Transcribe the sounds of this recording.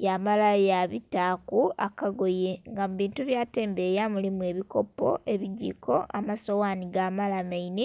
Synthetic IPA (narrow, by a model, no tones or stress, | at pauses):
jamalajaβitakuakaɡoje̞ŋɡamuβiːntuβjaːte̞ːmbejamulimue̞ːβiko̞po̞̰ʔeβiɟḭko̞ʔamasowaːniɡamalamaini